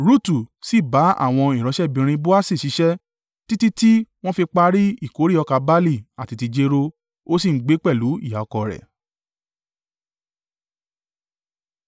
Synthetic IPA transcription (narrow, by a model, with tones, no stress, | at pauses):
ɾu˦tu˨si˦˨ba˨˦a̰˦˨w̃ɔ̃˧i˨ɾ̃ɔ̃˨˦ʃɛ˦˨bĩ˧ɾ̃ĩ˧bo˦a˦si˦˨ʃi˨˦ʃɛ˦ | ti˦ti˦ti˦w̃ɔ̃˦fi˧k͡pa˧ɾi˦i˦˨ko˨˦ɾi˦˨ɔ˧ka˧ba˦li˦˨a˨ti˧ti˧d͡ʒe˧ɾo˧ | o˦s̬i˦˨ŋ̩˦ɡ͡be˨˦k͡pɛ˦˨lu˨˦ḭ˦˨ja˨ɔ˧kɔ˧ɾɛ̰˨